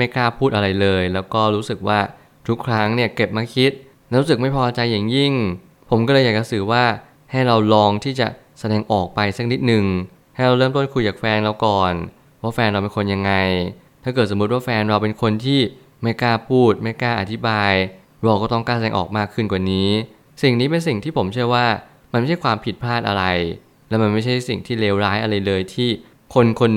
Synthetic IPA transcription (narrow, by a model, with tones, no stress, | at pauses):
ma˥˩jklaː˥˩pʰuː˥˩t̪̚ʔa˧ɾa˧jlɤː˧jlɛː˦˥wkɔː˥˩ɾuː˦˥sɯ˨˩k̚waː˥˩ | t̪ʰu˦˥kʰɾa˦˥ŋni˥˩ɐke˨˩p̚maː˧˥kʰi˦˥t̪̚ | lɛ˥ɾuː˦˥sɯ˨˩k̚ma˥˩jpʰɔː˧ʔaː˧t͡ɕa˧jːa˨˩ŋji˥˩ŋ | pʰo˩˦mkɔː˥˩lːɤ˧jaː˨˩t͡ɕa˨˩sɯː˨˩waː˥˩ | ha˥˩jɾa˧wlɔː˦˧˥ŋt̪ʰiː˥˩t͡ɕa̰˨˩ | sa˧dɛː˧ŋʔɔː˨˩k̚pa˧jsa˦˥k̚ni˦˥t̪̚nɯ˨˩ŋ | ha˥˩jɾa˧wɾɤː˥˩mt̪o˥˩nkʰu˧jt͡ɕaː˨˩k̚fɛː˧nɾa˧wkɔː˨˩n | waː˥˩fɛː˧nɾa˧wpe˧nkʰo˧nja˧ŋːa˧jt̪ʰaː˥˩kɤː˨˩t̪sm˦t̪̚waː˥˩fɛː˧nɾa˧wpe˧nkʰo˧nt̪ʰiː˥˩ | ma˥˩jkaː˧˩pʰuː˥˩t̪̚ma˥˩jkaː˧˩ʔa˨˩t̪ʰi˦˥baː˧j | ɾa˧wkɔː˥˩t̪ɔ˥˩ŋkaː˥˩sa˧ɛː˧ʔɔ̰ː˨˩k̚maː˥˩kʰːɯ˥˩nkwaː˨˩niː˦˥ | si˨˩ŋniː˦˥pe˧ns̬i˨˩ŋt̪ʰiː˥˩pʰo˩˦mt͡ɕʰɯ˥˩əjwaː˥˩ | ma˧nma˥˩ha˥˩kwaː˧mpʰi˨˩pʰlaː˥˩t̪ʔa̰˧ɾa˧j | lɛ˦˥ma˧nma˥˩jt͡ɕʰa˥˩jsi˨˩ŋt̪ʰiː˥˩leː˦˥wɾaː˦˥jʔa˧ɾa˧jlɤː˧jt̪ʰiː˥˩ | kʰo˧nkʰo˧n